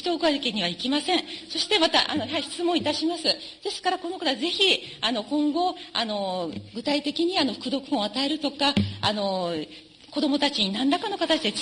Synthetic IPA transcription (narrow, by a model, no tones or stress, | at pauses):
t̪oːkɯaekeɲ̟iβ̞aikʲimasẽ̞ɰ̃so̞ɕi̥t̪e̞mat̪a̰ʔa̰nohaiçi̥t͡sɨmõit̪aɕimasɨd̪̥e̞sɨ̥kaɾako̞no̞kat̪oaze̞çiano̞kõ̞ŋɡo̞a̰no̞ɡɯ̟t̪ait̪e̞kʲiɲ̟iano̞ɸɯ̥kɯ̟d̪o̞kɯ̟̥õat̪ae̞ɾɯ̟t̪o̞kaːno̞ | ko̞d̪o̞mo̞t̪at͡ɕiɲ̟inãnd̪akano̞kat̪at͡ɕi̥d̪e